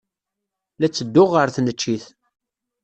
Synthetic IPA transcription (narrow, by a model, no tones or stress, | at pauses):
læt͡sːəd̪ːʊʁəɾθnət͡ʃːiθ